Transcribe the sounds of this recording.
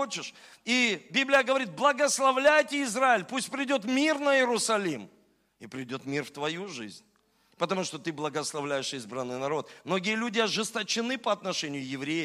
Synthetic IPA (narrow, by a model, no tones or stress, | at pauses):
ot͡ɕɪʂ | ibʲiblʲɪjəɡəvɐɾʲit̪̚blˠəɡəslˠɐvlʲæjtʲɪɪzɾaɪlʲpusʲt̚ʲpɾʲɪdʲo̞t̪mʲirnəjɪɾʊsɐlʲim | ɪpɾʲɪdʲo̞t̪mʲirft̪vɐjuʐɨ̰zʲnʲ | pət̪ɐmuʂt̪o̞t̪ɨblˠəɡəslˠɐvlʲæjɪʂizbɾənːɨjnɐɾo̞t̪̚mno̞ɡʲɪjəlʲudʲɪɐʐɨst̪ət͡ɕɪnɨpəɐt̪nɐʂɛnʲɪjʊjɪvɾʲejɪ